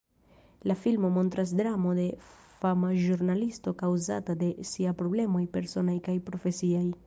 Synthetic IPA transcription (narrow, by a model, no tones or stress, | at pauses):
lafilmomont̪ɾasd̪ɾamod̪efamaʒuɾnalist̪okawza̰t̪ad̪esiapɾoblemojpeɾsonajkajpɾofesiaj